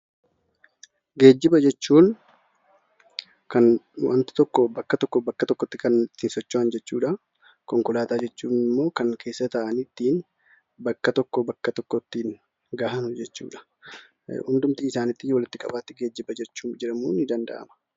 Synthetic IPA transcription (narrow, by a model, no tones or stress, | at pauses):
ɡe̞ːd͡ʒːɪbɐd͡ʒɛt͡ʃːuːn | kɐnwɐ̰nt̪ɪ̥t̪ɔkːɔbɐkːɐt̪ɔkːɔbɐkːɐt̪ɔkːɔt̪ːɪkɐnt̪ːɪnsɔt͡ʃːʊɐnd͡ʒɛt͡ʃːuːᶑɐ | kɔŋkʊlaːt̪aːd͡ʒɛt͡ʃːuːnɪmːo̞ːkɐŋkʰe̞ːsːɐt̪ɐʔɐnɪt̪ːiːn | bɐkːɐt̪ɔkːɔbɐkːɐt̪ɔkːɔt̪ːiːn | ɡahɐnʊd͡ʒɛt͡ʃːṵːᶑɐ̥ | hʊnd̪ʊmt̪iːɪsaːnɪt̪ːɪjoːlɪt̪ːɪkʼɐ̰baːt̪ːɪɡe̞ːd͡ʒːɪbɐd͡ʒɛt͡ʃːuːd͡ʒɪɾɐmuːnɪd̪ɐnd̪ɐ̰ʔɐ̰mɐ̥